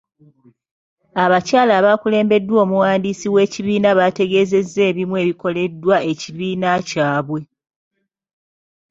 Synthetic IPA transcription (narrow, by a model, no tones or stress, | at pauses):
aβacaːlaβaːkule̞ːmbe̞dːwo̞ːmuwaːndiːsiwe̞ːciβiːnaβate̞ɡe̞ːze̞zːe̞ːβimwe̞ːβiko̞le̞dːwae̞ciβiːnacaːβwe̞